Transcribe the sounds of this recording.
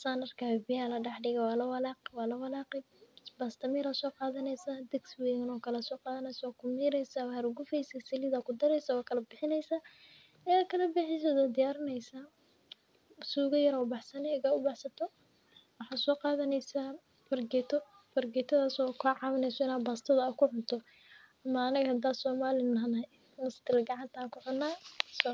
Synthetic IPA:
saːnɐrkʰaɛbɪjalɐɖɑħɖɪɣɐwɑːlɐwɐlaːqwɑːlɐwɐlaːqɪ | bɐst̪ʰɐmiːɾaːsɔːqɑːðɐnɛjsaːd̪ɛɡswɛːɣɐnɔːkʰɐlɛsɔːqɑːðɐnɛjskʰʊmiːɾɛjsawarʊɡʊfɛjsaːsɪlɪðaːkʰʊd̪ɐɾɛjsɐwaːkʰɐlɐbɪħɪnɛjsaː | ɛaːkʰɐlɐbɪħɪs̬ɔd̪ɐd̪ɪjaːɾɪnɛjsa | suːɣɐjɐɾɔʊbɑħsɐnɛɐɣɐʊbɑħsɐt̪ʰɔ | wɑħɑːsɔːqɑːðɐnɛjsa | fɐrɡɛːt̪ʰɔ | fɐrɡɛːt̪ʰɐðaːsɔkʰaʕɑːβɐnɛjsɔɪnaːbaːst̪ʰɐðɐɐkʰʊʕʊt̪ʰɔ | ʔɐmaːnɐɣɐhɐd̪aːsɔːmaːlɪnɐɦnɐ | mʊst̪ɪlɡɑʕɑnt̪ʰakʰʊħʊnːaːsɔ

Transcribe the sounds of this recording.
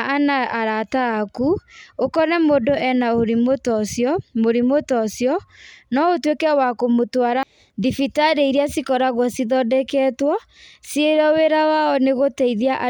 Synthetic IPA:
anaʔaɾataːkuokɔnɛmodoʔɛnaoɾimotɔsjɔmoɾimotɔsjɔnɔotwekɛwakomotwaɾa | ðifitaɾeiɾiasikɔɾaɣwɔsiðɔdɛkɛtwɔ | sieɾɔweɾawaɔneɣotɛiðiaʔa

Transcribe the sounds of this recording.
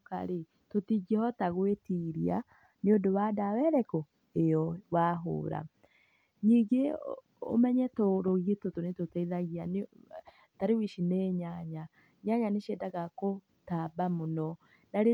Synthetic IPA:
ka̰ɾe | totiɡɛhɔtaɣwetiɾia | neodowadawɛɾɛko | eɔwaɦo̰ːɾa̰ | ɲiːɡe | o̰mɛɲɛtoɾoɣietotonetotɛiðaɣian | taɾewiʃineɲaɲa | ɲaɲaneʃedaɣako | tabamonɔ | naɾe

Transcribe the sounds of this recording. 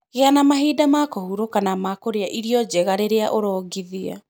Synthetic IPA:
ɣeanamaɦiːdamakɔhuɾokanamakoɾeaʔiɾiɔd͡ʑɛɣaɾeɾeaʔoɾɔːɡiðia̰

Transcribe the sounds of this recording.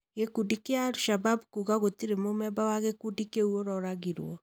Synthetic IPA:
ɣekudikeaːɾuʃababkuɣaɣotiɾemomɛbawaɣekudikeuoɾɔɾaɣiɾwɔ̰

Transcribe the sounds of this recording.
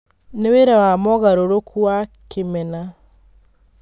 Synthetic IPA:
neweɾɛwamɔɣaɾoɾokuakemɛna

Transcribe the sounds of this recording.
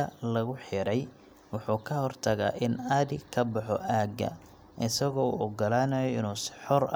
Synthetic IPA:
ɐlɐɣʊħɪɾɛj | wʊħuːkʰɐhɔrt̪ʰɐɣa̰ːʔɪnɐðɪkʰɐbɑħɔʔaːɡɐ̰ | ʔɪsɐɣɔṵɔɡɐlaːnɐjɔɪnuːsɪ̥ħɔr

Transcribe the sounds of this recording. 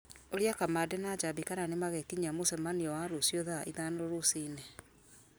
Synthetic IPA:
oɾjakamadenad͡ʒabikananemaɣɛkiɲamosɛmaniɔwaɾosjɔðaʔiðanoɾosinɛ

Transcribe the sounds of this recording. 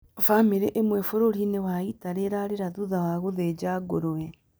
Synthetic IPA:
famiɾeʔemwefoɾoɾinewaitaɾeɾaɾeɾaðuðawaɣoðed͡ʒaːɡoɾoɛ

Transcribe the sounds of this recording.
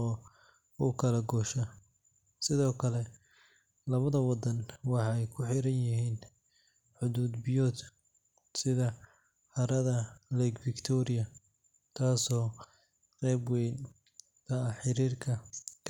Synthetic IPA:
ɔː | ʊkʰɐlɐɡɔːʃɐ | sɪðɔːkʰɐlɛ | lɐβɐðɐwɑd̪ɐnwɑħɑɛjkʰʊħɪɾɐnjɪɦiːn | ħʊðuːd̪bɪjɔːd̪ | sɪðɐ | hɐɾɐðɐlɛɡfɪkt̪ʰɔɾɪjɐ | t̪ʰaːsɔː | rɛːbwɛn | t̪ʰɐɐħɪɾiːrkʰɐkʰ

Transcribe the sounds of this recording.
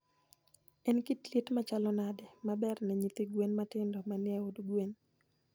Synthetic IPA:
ɛnkitlitmat͡ʃalɔnadɛmabɛrnɛɲit̪iɡwenmatɪndɔmanɪɛodɡwen

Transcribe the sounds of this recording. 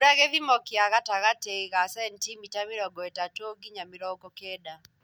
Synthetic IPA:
ɾaɣɛðimɔkiaɣataɣatɛiɣasɛntimitamiɾɔɡɔɛtatoɡiɲamiɾɔɡɔkɛda

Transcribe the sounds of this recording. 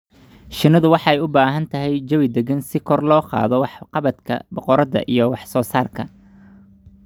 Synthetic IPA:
ʃɪnɐðʊwɑħɑɛjʊbaːɦɐnt̪ʰɐɦɛjd͡ʒɐwɪd̪ɛɡɐnsɪkʰɔrlɔːqɑ̰ːðɔwɑħqɑβɐd̪kʰɐ̰bɔqɔɾɐðɐ̰ʔijɞwɑħsɔːsaːrkʰɐ̰

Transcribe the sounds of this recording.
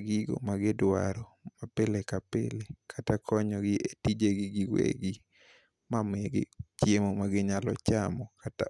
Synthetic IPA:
ɡɪɡo̰maɡɪdwa̰ɾɔ | mapelekapḛlekʰatakʰɔɲɔɡɪʔetid͡ʒeɡɪɡɪwḛɡɪ | mameɡɪ̰t͡ʃjemomaɡɪɲalɔ̰t͡ʃamɔkata

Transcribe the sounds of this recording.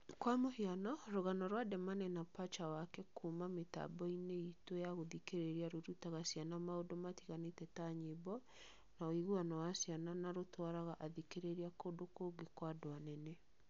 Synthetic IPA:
kwamohianɔɾoɣanɔɾwadɛmanɛnapat͡ʃawakɛkumameta̰bɔineitwejaɣoðikeɾeɾiaɾoɾutaɣasijanamaodomatiɣanetɛtaɲebɔ | naoiɣuanɔwasiananaɾotwaɾaɣaʔaðikeɾeɾiakoːdokoːɡekwadoanɛnɛ

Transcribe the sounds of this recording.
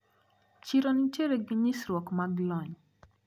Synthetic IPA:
t͡ʃiɾɔnit͡ʃeɾeɡɪɲisɾwɔkmaɡlɔɲ

